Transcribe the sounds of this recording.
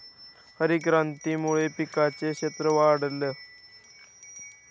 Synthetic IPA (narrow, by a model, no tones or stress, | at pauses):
həɾikɾant̪iːmuɭepikat͡sekɕet̪ɾəʋaɽlːe